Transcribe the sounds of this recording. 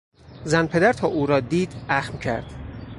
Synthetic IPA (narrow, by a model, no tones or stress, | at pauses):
zænpʰe̞d̪æɾt̪ʰɒːʔuːɾɒːd̪iːd̪̥æxmcʰæ̰ɾd̪̥